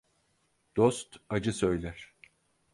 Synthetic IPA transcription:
d̪̥ost̪ad͡ʒɯsø̞jlʲæɾ̥

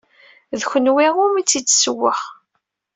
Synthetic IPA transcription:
ðçənwiʁʊmit͡sːit͡sːsəwːəχ

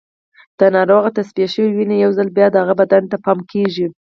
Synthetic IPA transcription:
d̪̥ənɑɾoɣat̪aspijaʃəwiwinejawzalbjɑd̪əhaɣabad̪ant̪apɑmkʰeʒi

